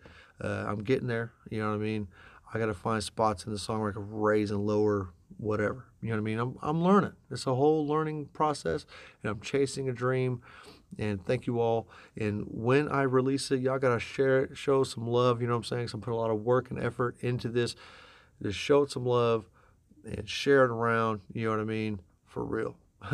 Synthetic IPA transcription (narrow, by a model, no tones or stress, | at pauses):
ʌ̰ã̰ɪ̃mɡɛɾɪ̃ŋðə˞jɨnoʊwʌaɪmĩnaɪɡɑɾɨfãɪ̃nd̥spɑtsn̩ðəsɔ̃ŋlaɪkəɹeɪzə̃nloʊə˞wʌɾɛvə˞jɨnonaɪmĩnãɪ̃mã̰ɪ̃mlɜ̃˞nɪ̃ŋɨtsəɦoʊlˠlɜ̃˞nɪ̃ŋpʰɹ̥ɔsɛsɨ̃nãɪ̃mt͡ʃʰeɪsɪ̃ŋɨdɹĩmɨ̃nθæ̃ŋkjɨɔlˠʔɨ̃nwɨ̃nʔa̰ɪɹilisɨt̚jaɪɡɑɾɨʃɛɹɪtʃoʊsʌ̃mlʌvjɨnoʊãɪmseɪɪ̃ŋsoãɪ̃mpʰʊ̃ɾ̃əlɔɾʌwɜ˞kɨ̃nɛ̰fə˞ɾɪ̃ntʉðɪs | ɨʃoʊtsʌ̃mlʌv | ɨ̰̃nʃɛɹɨɾə˞ãʊ̃ndjɨnoʊwʌɾaɪmĩn | fə̰˞ɹḭlˠ